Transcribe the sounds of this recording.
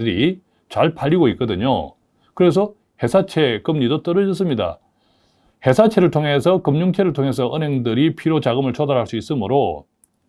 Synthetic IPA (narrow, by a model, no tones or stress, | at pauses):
ɯɾi | t͡ɕaɭpaʎːiɡoik͈ʌdɯɲo̰ | kɯɾe̞s̬ʰʌ | he̞sʰat͡ɕʰe̞k͈ɯmɲidot͈ʌɾʌd͡ʑʌs̬͈ɯmɲida̰ | he̞sʰat͡ɕʰe̞ɾɯɭtʰoŋe̞sʰʌkɯmɲuŋt͡ɕʰe̞ɾɯɭtʰoŋɦe̞s̬ʰʌʔɯnɦeŋdɯɾipʰiɾot͡ɕaɡɯmɯɭt͡ɕʰodaɾɦaɭs͈uis͈ɯmɯɾo